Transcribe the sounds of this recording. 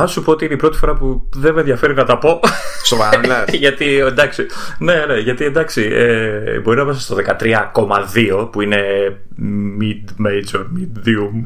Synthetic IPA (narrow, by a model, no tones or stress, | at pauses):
ɐsupoot̪iineipɾo̞t̪i̥fo̞ɾɐpuðeme̞nðjɐfe̞ɾinɐt̪ɐpo̞sovɐɐʝɐt̪iend̪ɐksine̞neʝɐt̪ie̞nd̪ɐksiebo̞ɾinɐvɐsist̪oðe̞kɐt̪ɾiɐko̞mɐðio̞puine̞ | mid̪mejd͡ʒomid̪ðium